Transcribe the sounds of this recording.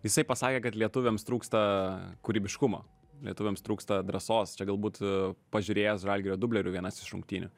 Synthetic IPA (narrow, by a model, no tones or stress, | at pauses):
jɪsɐɪpɐsɑːkʲeːkɐt̪lʲiɛt̪ʊʋʲɛmst̪ɾuːkst̪ɐkʊɾʲiːbʲɪʃkʊmo̰ː | lʲiɛt̪ʊʋʲɛːmst̪ɾuːkst̪ɐd̪ɾɐsoːst͡ʃʲɛɡɐlˠbuːt̪pɐʒʲʊɾʲeːjɛsʒɐlʲɡʲɪɾʲoːd̪ʊbʲlʲɛɾʲʊʋʲiɛnɐsɪʃʊ̰ŋkt̪ʲiːnʲʊ̰